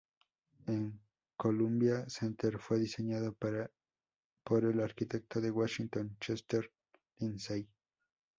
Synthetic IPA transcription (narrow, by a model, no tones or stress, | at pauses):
eŋ | kolumbjasent̪eɾfweðiseɲaðoɾa | poɾelaɾkit̪ek̚t̪oðewaʃint̪ont͡ʃest̪eɾ | linsej